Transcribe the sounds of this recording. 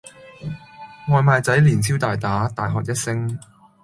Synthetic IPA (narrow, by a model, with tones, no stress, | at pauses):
ŋɔː˨˧jmaː˨˧jt͡sɐ˨˥jliː˨˩nt͡sʰiː˥wt̪aː˨jt̪aː˨˥t̪aː˨jɦɔː˨k̚jɐ˥t̚sɪ˥ŋ